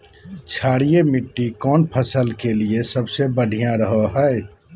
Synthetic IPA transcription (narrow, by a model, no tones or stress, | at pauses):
t͡ʃʰaːɽijemɪʈːikɔːnpʰəsəlkeliesəbsebəɖʱijãɾəɦoɦɛɛ